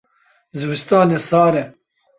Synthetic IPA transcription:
zɨwɨst̪ɑːneːsɑːɾɛ

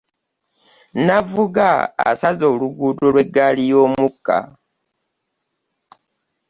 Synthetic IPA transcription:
navuɡa̰ːsazo̞ːluɡuːdolwe̞ɡalijoːmukːa̰

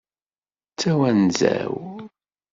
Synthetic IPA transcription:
t͡sːæwænzæ̰w

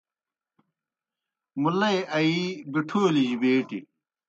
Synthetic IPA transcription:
mulɐjɐibiʈʰoːliʑibeːʈḭ

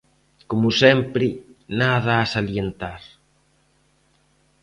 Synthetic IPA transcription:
komʊsɛmpɾɪnaðaːsaljent̪aɾ

